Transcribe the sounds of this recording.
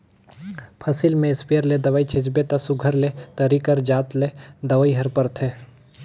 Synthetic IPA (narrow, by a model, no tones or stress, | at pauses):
pʰɐsɪlmẽɪspijəɾled̪ɐʋaːit͡ʃʰɪt͡ʃbet̪ɐsʊɡʱəɾlet̪ɐɾikəɾd͡ʒaːt̪led̪ɐʋaːiɦɐɾpɐɾt̪ʰeː